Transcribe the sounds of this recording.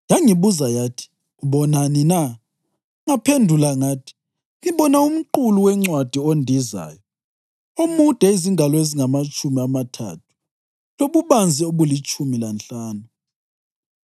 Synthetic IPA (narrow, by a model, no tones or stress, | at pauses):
jaŋiβuzajatʰi̥ | uɓɔnanina | ŋapʰendʱulaŋatʰi̥ | ŋiɓɔnaum̩ǃuluwɛŋ͡ǀwad̥ʱiondʱiza̰ːjɔ | umud̥ʱɛiziŋʱalɔeziŋamat͡ʃʼumiamatʰa̰tʰu̥ | loβuβand͡zʱioɣulit͡ʃʰʼumilant͡ɬaːnu